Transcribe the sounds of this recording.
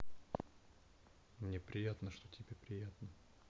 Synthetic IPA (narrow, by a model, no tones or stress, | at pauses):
mnʲepɾʲɪjat̪nəʂt̪otʲɪbʲepɾʲɪjat̪nə